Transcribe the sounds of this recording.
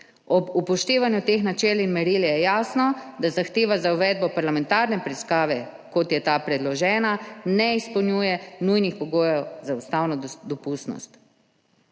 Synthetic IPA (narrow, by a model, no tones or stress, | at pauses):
ɔbupɔʃt̪eːʋanjut̪eːxnat͡ʃɛːlinmɛɾiljɛjaːsnɔd̪azaxt̪eːʋazauʋɛd̪̚bɔpaɾlamɛ̃nt̪aːɾnɛpɾiskaːʋɛ | kɔt̪jɛt̪apɾɛd̪lɔʒɛːnanɛispɔwnʲjujɛnujnixpɔɡoːjɛwzaust̪awnɔd̪ɔpust̪nɔ̰st̪